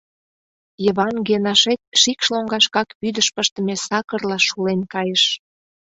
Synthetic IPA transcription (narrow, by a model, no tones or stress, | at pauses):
jəβɑnɡenɑʃet̪̚ʃikʃloŋɡɑʃkɑkpyd̪əʃpəʃt̪ə̆mesɑkə̆rlɑʃulenkɑjəʃ